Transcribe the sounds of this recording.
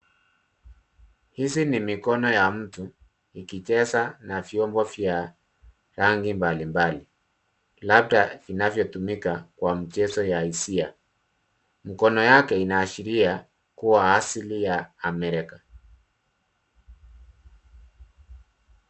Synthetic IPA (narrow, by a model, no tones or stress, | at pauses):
hisinimikɔnɔjam̩tu | ikit͡ʃɛsanavjɔmbɔvja | ɾaŋɡimbalimbali | lab̚tavinavjɔtumikakwam̩t͡ʃɛsɔjaisia | m̩kɔnɔjakɛinaːʃiɾia | kuwaːsilijaːmɛɾɛka